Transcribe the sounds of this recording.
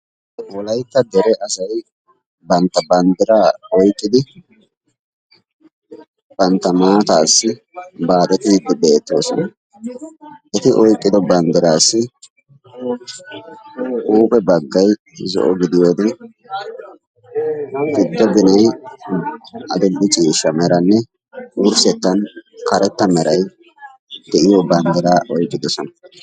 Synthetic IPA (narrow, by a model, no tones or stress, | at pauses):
wɔlɐjt̪ːɐd̪ɛɾɛʔɐsɐj | bɐnt̪ːɐbɐnd̪ɪɾaːɔjkʼːɪd̪ɪ | b̥ɐnt̪ːɐmaːt̪aːsːɪ | baːd̪ɛt̪ɪd̪ːɪbeːt̪ːo̞ːsʊ̰n | ʔɛt̪ɪʔɔjkʼːɪd̪ɔbɐnd̪ɪɾaːsːɪ | ʔuːpɛbɐɡːɐj | zɔ̰ʔɔɡɪd̪ɪjoːd̪ɪ | ɡɪd̪ːɔɡɪnɛj | ɐd̪ʊɡːɪt͡ʃʼiːʃːɐmɛɾɐnːɛ | wʊɾsɛt̪ːɐnkɐɾʔɛt̪ːɐmɛɾʔɐj | d̪ɛʔɪjobɐnd̪ɛɾaːʔɔjkʼːɪd̪ɔsɔnɐ̥